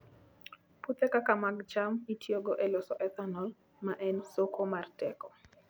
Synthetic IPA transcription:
put̪ekakamaɡt͡ʃamitʰjoɡɔʔelɔsɔʔɛt̪anɔl | maʔɛnsokʰomartɛkɔ

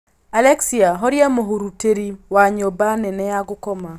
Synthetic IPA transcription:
alɛksiaɦɔɾjamoɦoɾuteɾiwaɲobanɛnɛaɡʊkɔma

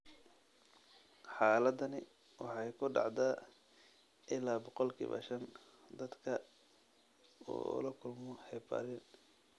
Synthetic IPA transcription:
ħɑːlɐd̪ɐnɪ | wɑħɑjkʰʊɖɑ̰ʕd̪aː | ʔɪlaːbɔqɔlkʰḭːβɐ̰ʃɐn | d̪ɐd̪kʰɐ | ṵːlɐkʰʊlmɔhɛbɐ̰ɾɪn

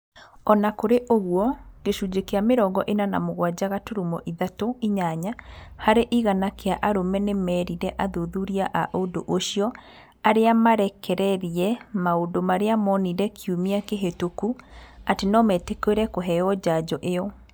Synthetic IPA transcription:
ɔnakoɾeʔoɣwɔɣ̥eʃud͡ʑekeameɾɔɡɔʔenana̰moɣwad͡ʑaɣatoɾumɔʔiðatoiɲaɲahaɾeʔiɣanakeaʔaɾomɛnemɛːɾiɾɛʔaðoðuɾiaʔaʔodoʔoʃiɔ | aɾeamaɾɛkʰɛɾɛɾiɛmaodomaɾeamɔniɾɛkʰiumiakeɦetokuatenɔmɛtekweɾɛkoɦɛɔd͡ʑad͡ʑɔʔejɔ

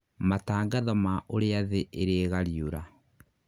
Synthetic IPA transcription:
mataːŋɡaðɔmaʔoɾeaðeʔeɾeɣaɾioɾa

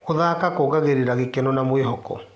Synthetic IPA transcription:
oðaːkakoɣaɣeɾeɾaɣekɛnɔnamoeɦɔkɔ̰

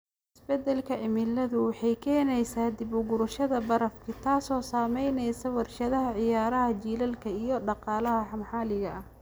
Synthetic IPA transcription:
ʔɪsbɛd̪ɛlkʰɐʔɪmɪlːɐðʊwɑħɑjkʰɛːnɛjsaːd̪ɪbʊɡʊɾʊʃɐðɐbɐɾɐfkʰɪt̪ʰaːsɔːsaːmɛjnɛjsɐwɑrʃɐðɐɦɐʕɪjaːɾɐɦɐt͡ʃiːlɐlkʰɐijɞɖɑqɑːlɐɦɐħɑmħɑːlɪɣɐʔɐ

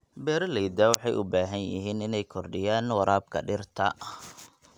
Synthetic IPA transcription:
bɛːɾɐlɛjd̪ɐwɑħɑjʔʊbaːɦɐnjɪ̰ɦiːnɪnɛjkʰɔrɖɪjaːnwɑɾaːb̚kʰɐ̰ɖɪrt̪ʰɐ̰

